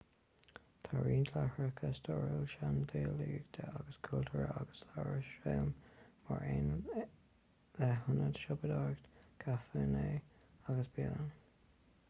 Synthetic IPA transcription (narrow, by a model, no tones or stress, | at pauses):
t̪ʰaɹiːnt̪ʰlahɹəkʰəst̪ʰɔɹəlʃand̪eːliːɡt̪ʰəʔaɡəskʰult̪ʰəɹəaɡəslaɹəʃelmma̰ɹeːn | ðɛɦʊnədʃɔbəd̪ɑɹɡtkʰafəːneːaɡəsb̥ilən